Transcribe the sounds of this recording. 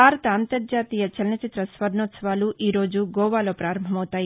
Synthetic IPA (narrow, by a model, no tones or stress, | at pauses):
aːɾɐt̪ɐːnt̪ɐɾd͡ʒaːt̪iːjɐt͡ʃɐlɐnɐt͡ʃit̪ɾɐsʋɐɾɳoːt̪sɐʋaːluʔiːɾo̞ːd͡ʒuɡɔːʋaːlo̞ːpɾaːɾɐmbʱɐmɐwut̪aːji